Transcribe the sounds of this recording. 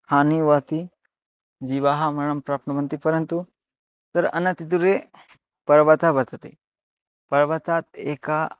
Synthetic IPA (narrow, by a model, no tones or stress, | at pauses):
haːniʋɐt̪i | d͡ʒiʋaːɦɐmɐɾɐmpɾaːpnɐmɐnt̪ipɐɾɐnt̪u | t̪ɐɾɐ̰nɐt̪it̪̬uɾe | pɐɾʋɐt̪abɐɾt̪ɐt̪ḛ | pɐɾʋɐt̪aːt̪̚eːka